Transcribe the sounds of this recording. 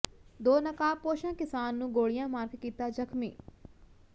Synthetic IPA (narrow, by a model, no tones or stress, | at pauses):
d̪oːnəkaːpoːʃãːkɪsaːnːũːɡoːɭɪjãːmaːɾɡkiːt̪aːd͡ʒəkʰmḭː